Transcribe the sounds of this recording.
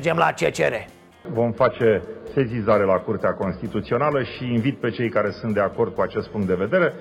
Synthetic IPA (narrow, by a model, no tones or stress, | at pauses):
d͡ʒemlat͡ʃḛt͡ʃḛɾe | vo̞mfat͡ʃe̞se̞zizaɾe̞lakurt̪eako̞nst̪it̪ut̪sio̞naləʃiːnvit̪̚pe̞t͡ʃe̞jkaɾe̞sund̪e̞ako̞rd̪̚kuat͡ʃe̞st̪̚puŋkt̪d̪e̞ve̞d̪e̞ɾe̞